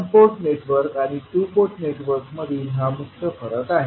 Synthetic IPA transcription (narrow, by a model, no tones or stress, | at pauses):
mpoɾʈneʈʋəɾkaɽ̃iʈupoɾʈneʈʋəɾkməd̪ʱiːnɦamuk̚t̪ʰəfəɾət̪aɦe